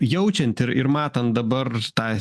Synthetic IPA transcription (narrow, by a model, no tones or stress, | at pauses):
jɛʊt͡ʃʲɛnʲt̪ʲɪɾɪɾmɑːt̪ɐnt̪̚d̪ɐbɐɾt̪ɑː